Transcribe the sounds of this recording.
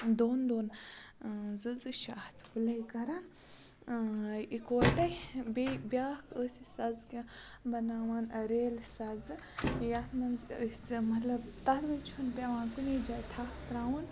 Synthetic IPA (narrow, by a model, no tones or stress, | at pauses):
d̪oːnd̪oːn | zɨzɨʃaːht̪ʰpulɐikɐɾan | ikɐʈɐbebʲaːkʰəːsisɐzkʲĩ | bɐnaːwanɐɾeːlsɐzɨ | jat̪ʰmɐnzəsmɐt̪lɐbt̪ɐt̪mɐnt͡ʃʰunpʲaːʋãːnkunid͡ʒaːt̪ʰaːhpɾaːwɐn